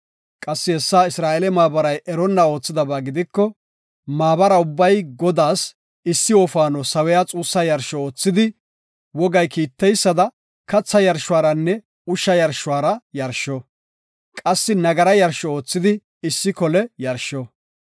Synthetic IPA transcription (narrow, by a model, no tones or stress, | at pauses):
kʼɐsːɪhɛsːaːɪsɾaːʔelɛmaːbɐɾɐjʔɛɾɔnːɐo̞ːt͡sːɪd̪ɐbaːɡɪd̪ɪkːɔ | maːbɐɾɐʊbːɐjɡɔd̪aːs | ɪsːɪoːfaːnɔsɐwɛjat͡sʼuːsːɐjɐɾʃɔoːt͡sːɪd̪ɪ | wɔɡɐjkiːt̪ːɛjsːɐd̪ɐ | kɐt͡sːɐjɐɾʃʊwaːɾɐnːɛ | ʊʃɐjɐɾʃʊwaːɾɐjɐɾʃɔ | kʼɐsːɪnɐɡɐɾɐjɐɾʃɔoːt͡sːɪd̪ɪ | ɪsːɪkɔlɛjɐɾʃɔ